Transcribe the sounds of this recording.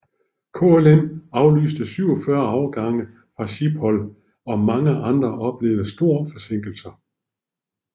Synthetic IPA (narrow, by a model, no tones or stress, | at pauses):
kʰo̝elenɑ̈ʊly̰ːsd̥əsyʊ̰ɒfɶɐɒʊɡ̥ɑ̈ŋə | fʁɑ̈ɕib̥hɒ̽l | ɒ̽mɑ̈ŋəʔɑ̈nd̥ʁɐʔɒ̽b̥le̝ːʊðəsd̥o̝ɐ̰fɒ̽se̝ŋ̰ɡ̥l̩sɐ